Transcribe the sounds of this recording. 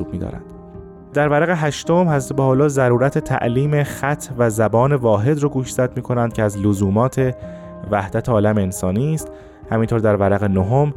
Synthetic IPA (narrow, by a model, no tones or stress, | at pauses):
uːb̚miːd̪ɒ̰ːɾæ̰nd̪̥ | d̪æɾvæɾæɣeɦæʃt̪omhæzt̪ʰebæːhɒlɒːzæɾuːɾæt̪ʰet̪ʰæ̰ʔliːme̞xæt̪ʰvæzæbɒːne̞vɒːɦe̞d̪ɾoːɡuːʃz̥æd̪miːkʰo̞nænd̪̥̚cʰeæzlozuːmɒːt̪ʰe̞ | væhd̪æt̪ʰeɒːlæmeensɒːniːst̪ | hæmiːnt̪ʰoɾd̪æɾvæɾæɣenoɦom